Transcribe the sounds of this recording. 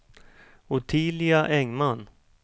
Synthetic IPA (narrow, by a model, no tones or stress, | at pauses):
ʊt̪ʰiːlɪaʔɛŋman